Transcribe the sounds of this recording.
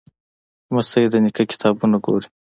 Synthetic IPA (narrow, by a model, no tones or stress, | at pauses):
masɐid̪ənikakɪ̥t̪ʰɑːbunaɡo̰ːɾi